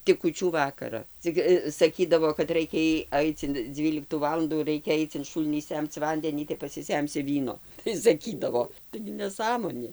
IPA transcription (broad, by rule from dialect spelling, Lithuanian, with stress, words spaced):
tʲɪk kuːˈt͡ʃʲuː ˈʋɑːkɐrɐ ˈt͡sʲɪk sɐˈkʲiːdɐʋoː kɐt ˈrɐɪkʲɛ iː ˈɐɪt͡s ɪn ˈd͡zʲʋʲiːlʲɪktuː ˈʋɑːlˠɐnduː ˈrɐɪkʲɛ ˈɐɪt͡s ɪn ˈʃuːlʲnʲiː ˈsʲɛmt͡s ˈʋɐnʲdʲɛnʲiː tɐɪ pɐsʲɪˈsʲɛmʲsʲɪ ˈʋʲiːnoː tɐɪ sɐˈkʲiːdɐʋoː tɐɪɡʲɪ nʲɛˈsɑːmoːnʲeː